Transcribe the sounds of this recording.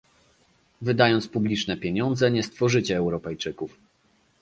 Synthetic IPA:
vɘd̪ajɔnt̪spublʲit͡ʂnɛpʲjeɲɔnd̪zɛɲɛst̪fɔʐɘt͡ɕɛːwɾɔpɛjt͡ʂɘkuf

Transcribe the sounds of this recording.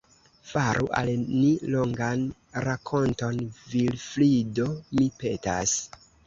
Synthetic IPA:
faɾʔuʔa̰lnilo̞ŋɡan | ɾakʰo̞nto̞nvilflidomipe̞tas

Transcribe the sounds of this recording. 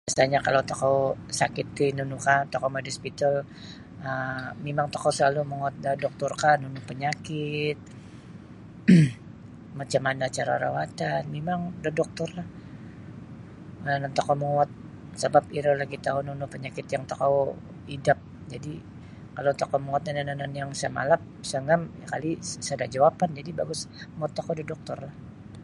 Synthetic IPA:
basaɲakalat̪akawsakɪt̪̚ːɪnunukat̪akawmadispit̪al | əmemaŋt̪akawsəlaluməŋuat̪̚dədɔk̚t̪ɔrkanunʊpəɲakɪt̪̚ | mat͡ʃamanaːt͡ʃaɾa̰ɾa̰wat̪anmemaŋdədɔk̚t̪ɔrlah | nanant̪akawmaŋat̪̚ | səbapiɾəlaɡit̪aununʊhpəɲakɪt̪jaŋt̪akaw | idap̚ | d͡ʒadi | kalowt̪akaməat̪̚ɲananananjaŋsə̰ma̰lap̚səŋamja̰kalisədad͡ʒawapand͡ʒadibaɡʊsmat̪ːakodadɔk̚t̪ɔrlah

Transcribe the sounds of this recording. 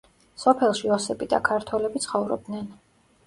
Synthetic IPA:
sɔpʰɛlˠʃiɔsɛbid̪a̰kʰaɾt̪ʰwɛlɛbit̪sʰχɔvɾɔ̰b̚d̪nɛn

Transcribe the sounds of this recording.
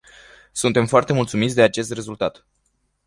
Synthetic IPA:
sunt̪e̞mfoart̪e̞mult̪sumit̪sʲd̪e̞at͡ʃe̞st̪re̞zult̪at̪

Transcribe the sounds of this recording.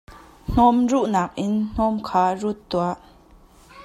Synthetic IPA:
n̥ɔmruʔnaːk̚ʔɪnn̥ɔmkʰaːrut̪ːuaʔ

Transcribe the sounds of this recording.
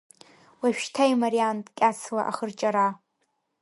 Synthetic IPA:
waʃᶣtʰajmaɾiantʼkʲʼat͡sʰla̰ʔaχərt͡ʃʼaɾa

